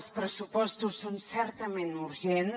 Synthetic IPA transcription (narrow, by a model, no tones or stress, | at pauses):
spɾəsupɔst̪usːonsɛrt̪əmenuɾʒen